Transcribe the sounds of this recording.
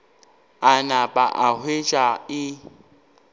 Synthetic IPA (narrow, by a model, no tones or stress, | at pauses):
anapʼaʔahwet͡ʃʼaɪ